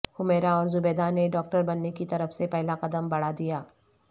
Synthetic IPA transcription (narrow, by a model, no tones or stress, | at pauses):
hʊmeːɾaɔːɾzʊbeːd̪aneɖɔːk̚ʈəɾbɐnːekit̪ɐɾəfsepɛɦlaqɐd̪əmbɐɽ̤ad̪ijaː